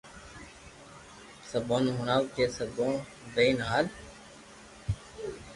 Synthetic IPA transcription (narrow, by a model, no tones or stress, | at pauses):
səbõːnɦʊɳaːwkeːsəbõː | d̪əiːnɦaːl